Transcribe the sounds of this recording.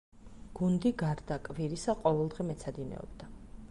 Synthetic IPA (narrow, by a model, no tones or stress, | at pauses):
ɡ̥und̪iɡaɾd̪akʼviɾisaqʼɔvɛlˠd̪ʁɛmɛt̪sʰad̪inɛ̰ɔ̰b̥̚d̪a